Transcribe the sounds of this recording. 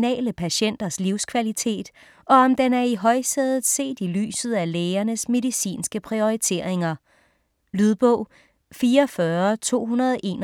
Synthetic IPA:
nɛ̰ːləpʰæɕen̰d̥ɐsliʊskʰʋælit͡sʰe̝̰ːd̥ | ʔɒ̽ɒ̽md̥enæɐiɦɒ̽ɪsɛðˠð̩ˠse̝̰ːd̥ily̰ːsð̞̩ˠæleːɐnəsme̝ðˠisḭːnsɡ̥əpʰʁio̝it͡sʰe̝̰ɐ̰e̝ŋɐ | lyð̞ˠb̥ɔʊ̰ | fiːɐfɶɐt͡sʰo̝̰ːɦunɐðˠɒʔe̝ːn

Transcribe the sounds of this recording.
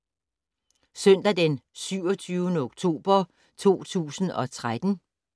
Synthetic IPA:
sœn̰d̥æd̥ensyʊ̰ɒ̽t͡sʰyːʊnəoɡ̥t͡sʰo̝̰ːb̥ɐ | t͡sʰo̝̰ːt͡sʰṵːsn̩ɒ̽t͡sʰʁad̥n̩

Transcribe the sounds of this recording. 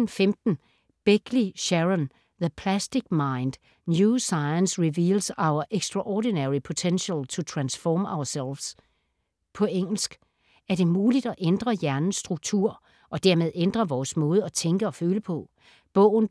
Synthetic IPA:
n̩femd̥n̩ | b̥eɡ̥liɕæʁɔn | ðəpʰlæsd̥iɡ̥̚mɑ̈ɪnd̥ | njusɑ̈ɪənsʁiʋiːlsɑ̈ʊɐʔeɡ̥sd̥ʁɑʔɔd̥inæʁipʰo̝t͡sʰenɕəlt͡sʰo̝t͡sʰʁɑnsfɒːmɑ̈ʊɐsel̰ʋs | pʰɒ̽eŋ̰l̩sɡ̥ | æɐd̥e̝muːlid̥ɒʔend̥ʁɐjæɐnn̩sːd̥ʁuɡ̥̚t͡sʰuɐ̰ | ʔɒ̽d̥æɐ̰me̝ðˠend̥ʁɐʋɒːsmɔ̽ːð̞ˠɒt͡sʰeŋɡ̥əɒ̽føːləpʰɒ̽ | b̥ɔ̽ʊ̰n̩

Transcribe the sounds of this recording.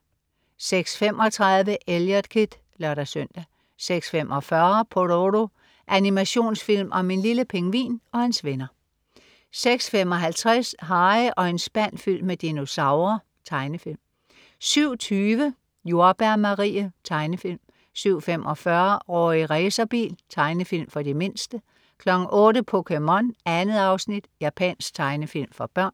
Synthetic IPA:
seɡ̥sfem̰ʔɒ̽t͡sʰʁɑ̈ðˠʋəʔeljɐd̥kʰid̥ | lɶɐɾ̥æsœn̰d̥æ | seɡ̥sfemʔɒfɶɐpʰoɾoɾo̝ | ʔænimæɕo̝̰ːnsfil̰mʔɒ̽me̝nliləpʰeŋʋḭːnɒ̽ensʋenɐ | seɡ̥sfem̰ɒ̽ɦælt͡sʰʁɛsɦɑ̈ɪəʔɒ̽e̝nsb̥æn̰fyl̰med̥eno̝sɑ̈ʊʁɐ | t͡sʰɑ̈ɪnəfil̰m | syʊ̰t͡sʰyːʋə | jo̝ɐb̥æɐmɑ̈ʁḭːət͡sʰɑ̈ɪnəfil̰m | syʊ̰femʔɒ̽fɶɐʁɒ̰ːiiʁɛːsɐb̥ḭːlt͡sʰɑ̈ɪnəfil̰mfɒ̽d̥eme̝nsd̥ə | kʰlɒ̽ɡ̥ŋ̩ʔɔːɾəpʰokʰemɒnænəð̩ˠɑ̈ʊsnid̥jæpʰɛ̰nsɡ̥t͡sʰɑ̈ɪnəfil̰mfɒ̽b̥ɶɐ̰n

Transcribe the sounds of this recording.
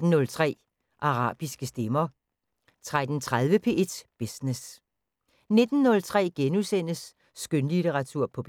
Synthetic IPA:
n̩nːɔ̽lt͡sʰʁɛ̰ː | ʔɑ̈ʁɑ̰̈ːb̥isɡ̥əsd̥emɐ | t͡sʰʁad̥n̩t͡sʰʁað̞ˠʋəpʰe̝ːʔe̝d̥b̥isnes | ne̝d̥n̩ːɔ̽lt͡sʰʁɛ̰ːɡ̥enusen̰əsː | ɡ̥ønlit͡sʰeʁɑ̈t͡sʰuɐ̰pʰɒ̽b̥

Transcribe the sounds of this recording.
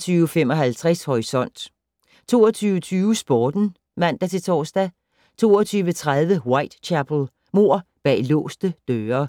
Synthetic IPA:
t͡sʰyːʊfem̰ɒ̽ɦælt͡sʰʁashɒʁisɒ̽n̰d̥ | t͡sʰo̝ːɒt͡sʰyːʊət͡sʰyːʊsb̥ɒːd̥n̩ | mæn̰d̥æt͡sʰe̝t͡sʰɒ̰ːsd̥æ | t͡sʰo̝ːɒt͡sʰyːʋət͡sʰʁaðˠʋəwɑ̈ɪd̥t͡ɕʰæpʰl̩ˠ | mo̝ɐ̰b̥ɛ̰ːlɔ̰̽ːsd̥əd̥øːɐ

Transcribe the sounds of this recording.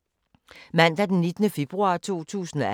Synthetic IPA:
mæn̰d̥æd̥enːed̥nəfe̝b̥ʁuɑ̰̈t͡sʰo̝̰ːt͡sʰṵːsn̩ɒ

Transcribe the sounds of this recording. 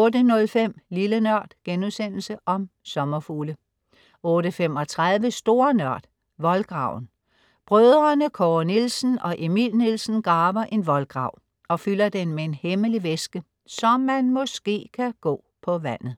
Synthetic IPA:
ɔ̽ːdənɔ̽lfem̰lilənɶɐ̰d̥ɡ̥enusen̰l̩səʔɒ̽msɒ̽mɐfuːlə | ɔ̽ːɾəfem̰ɒ̽t͡sʰʁaðˠʋəsd̥o̝ːɐnɶɐ̰d̥ | ʋɒ̽lɡ̥ʁɑ̈ʊ̰n̩ | b̥ʁœð̞ˠʁɐnəkʰɒːnilsn̩ɒ̽ʔe̝mḭlnilsn̩ɡ̥ʁɑ̈ːb̥ɐʔe̝nʋɒ̽lɡ̥ʁɑ̈ʊ̰ | ɒ̽fylɐd̥enmee̝nheməliʋesɡ̥ə | sɒ̽mːænmɔ̽sɡ̥e̝̰ːkʰæɡ̥ɔ̰̽ːpʰɒ̽ʋæn̰ð̩ˠ

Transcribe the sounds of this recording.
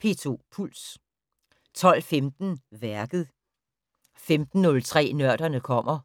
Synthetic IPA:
pʰe̝t͡sʰo̝̰pʰul̰s | t͡sʰɒ̽l̰femd̥n̩ʋæɐɡ̥ð̞̩ˠ | femd̥n̩ːɔ̽lt͡sʰʁɛ̰ːnɶɐ̰d̥ɐnəkʰɒ̽m̰ɐ

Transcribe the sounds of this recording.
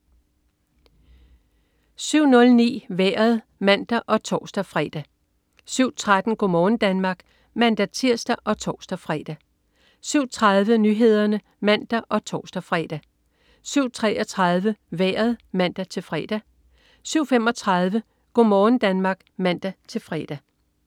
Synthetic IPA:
syʊ̰nɔ̽lnḭːʋeːɐðˠ | mæn̰d̥æʔɒ̽t͡sʰɒ̰ːsd̥æfʁɛːd̥æ | syʊ̰t͡sʰʁad̥n̩ɡ̥o̝mɒːn̩d̥ænmɑ̈ːɡ̥ | mænd̥æt͡sʰiɐ̰sd̥æʔɒ̽t͡sʰɒ̰ːsd̥æfʁɛd̥æ | syʊ̰t͡sʰʁɑ̈ðˠʋənyːɦe̝ð̞̰ˠɐnə | mæn̰d̥æʔɒ̽t͡sʰɒ̰ːsd̥æfʁɛ̰d̥æ | syʊ̰t͡sʰʁɛʔɒ̽t͡sʰʁɑ̈ðˠʋəʋeːɐð̩ˠmæn̰d̥æt͡sʰe̝lfʁɛːd̥æ | syʊ̰fem̰ɒ̽t͡sʰʁɑ̈ðˠʋə | ɡ̥o̝mɒːn̩d̥ænmɑ̈ːɡ̥mæn̰d̥æt͡sʰe̝lfʁɛːd̥æ

